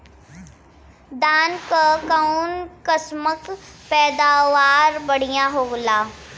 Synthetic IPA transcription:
d̪aːnkakaunkəsməkpɛːd̪aːʋaːɾbəɽ̤ijãɦoːɡlaː

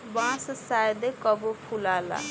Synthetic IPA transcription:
bãssajd̪ekɔbopʰulala̰

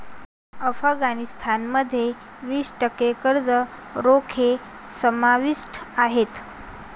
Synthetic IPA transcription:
əfəɡanist̪ʰanməd̪ʱːje | ʋiːsʈəkekəɾd͡zə | ɾokʰe | səmaʋiʂʈaɦet̪

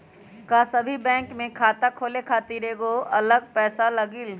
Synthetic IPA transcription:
kasɐbʱibɛ̃ːŋkmẽkʰaːt̪akʰoːlekʰaːt̪iɾeɡoɐləɡ̚pɛːsalɐɡɪl

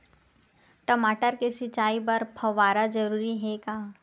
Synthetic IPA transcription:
ʈəmaːʈəɾkesɪt͡ʃaːibɐɾpʰɐʋaːɾad͡ʒɐɾuːɾiɦɛkaː

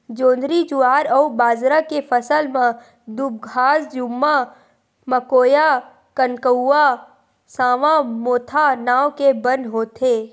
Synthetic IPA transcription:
d͡ʒõːnd̪ɾid͡ʒʊaːɾɔubaːzɾakepʰəsəlmã | d̪ub̚ɡʱaːsd͡ʒʊmːa | məkoːja | kənkəwa | sãːʋãmoːt̪ʰanaːwkebə̃nd̪ɦoːt̪ʰe

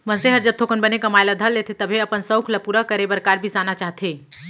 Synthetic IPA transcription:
mənseɦəɾd͡ʒəb̚t̪ʰokənbənekəmajlad̪ʱəlːet̪ʰet̪əbʱeəpənsə̃wkʰləpuɾəkəɾebəɾkaɾbʱisanat͡ʃaɦt̪ʰe

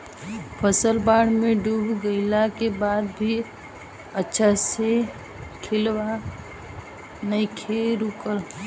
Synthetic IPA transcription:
pʰəsəlbaɽ̤meɖubʱɡəɪlakebad̪̚bʱi | ətːʃʰase | kʰelʋa | nəkʰeɾukəɾ

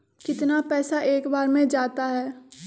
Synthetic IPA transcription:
kɪt̪napɛːsaʔeːkbaːɾmẽd͡ʒaːt̪aɦɛː

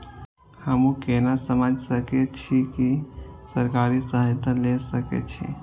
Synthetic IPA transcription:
həmũkenasəməd͡ʒʱsəket͡ʃʰikisəɾkaɾisəɦɪt̪əlesəkḛt͡ʃʰḭ

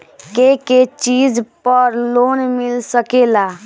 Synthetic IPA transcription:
keket͡ʃiːzpəɾloːnmɪlsəkeːlaː

